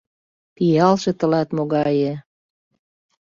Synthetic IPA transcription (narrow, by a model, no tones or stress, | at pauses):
pijɑlʃĕt̪ə̆lɑt̪moɣɑjĕ